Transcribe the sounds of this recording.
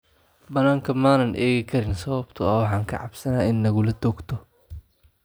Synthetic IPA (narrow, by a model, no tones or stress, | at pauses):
bɐnaːŋkʰɐmaːnɐnʔɛːɣɪkʰɐɾɪnsɐβɐbt̪ʰʊɐwɑħɑːŋkʰɐʕɑbsɐnaːɪnːɐɣʊlɐd̪ɔːɡt̪ʰɔ